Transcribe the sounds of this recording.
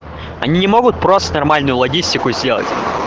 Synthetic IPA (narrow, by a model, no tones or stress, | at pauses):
ɐ̰nʲinʲɪmo̞ɡʊt̪̚pɾo̞st̪ənɐrmalʲnʊjʊlˠɐɡʲisʲtʲɪkʊzʲdʲe̞lˠə̰tʲ